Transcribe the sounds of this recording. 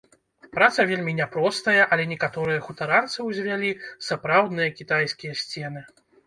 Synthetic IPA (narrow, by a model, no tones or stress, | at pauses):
pɾat̪sɐvʲelʲmʲinʲɛpɾɔst̪ɐjɐʔɐlʲɛnʲɛkat̪ɔɾɨjɐxut̪aɾant̪sɨwzʲvʲalʲisapɾawd̪nɨjɐkʲit̪ajskʲijɐsʲt͡sʲɛnɨ